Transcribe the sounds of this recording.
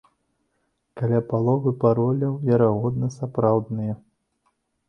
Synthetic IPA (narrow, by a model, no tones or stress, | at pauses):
kalʲapalˠɔvɨpaɾɔlʲɐwvʲɛɾaɣɔd̪nɐsapɾawd̪nɨjɐ